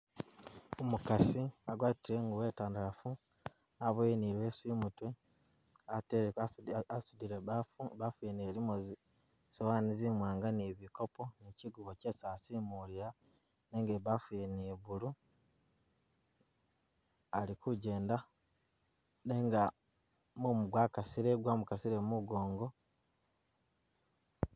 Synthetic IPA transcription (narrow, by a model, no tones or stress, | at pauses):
omukasiaɡwaːtiɾeŋɡuweːtaːndaɾafu | aβweniɾwesimutwe | ate | asudiɾeβafuβafwineɾimozi | sewaːnizimwaːŋɡaneβiko̞po̞neciɡuβoce̞ːsaːsimuliɾa | neŋɡeβafineβulu | alikuɟe̞ːnda | neŋɡa | mumuɡwaːkasiɾeɡwamukasiɾemuɡo̞ːŋɡo̞